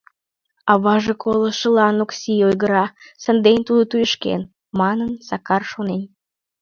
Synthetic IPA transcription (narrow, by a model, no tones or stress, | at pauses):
ɑβɑʒekʰoləʃəlɑnoksʲiojɣəɾɑsənd̪enʲt̪ud̪ot̪ujəʃkḛn | mɑnənsɑkɑrʃonen